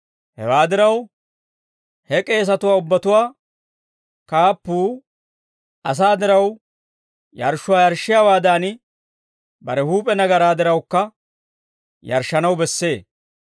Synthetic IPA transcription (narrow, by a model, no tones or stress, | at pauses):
hɛ̰waːd̪ɪɾɐw | hɛkʼe̞ːs̬ɐt̪ʊwaːʊbːɐt̪ʊwaː | kaːpːuː | ɐs̬aːd̪ɪɾɐw | jɐ̰ɾʃːʊwaːjɐɾʃːɪjaːwaːd̪aːn | bɐ̰ɾɛhuːpʼɛnɐɡɐɾaːd̪ɪɾɐwkːɐ | jɐ̰ɾʃːɐnɐwbɛsːe̞ː